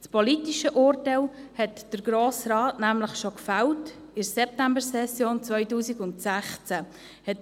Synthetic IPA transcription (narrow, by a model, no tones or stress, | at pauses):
t͡spɔlitiʃəʔʊrtalhɛtd̥əɾɡ̥ɾoːsrɑːtnæmləχʃokfawt | ɪɾsɛp̚tæmbəɾsɛsjoːnt͡svœʏtuːsiɡʊntsæχt͡sæ | hɛt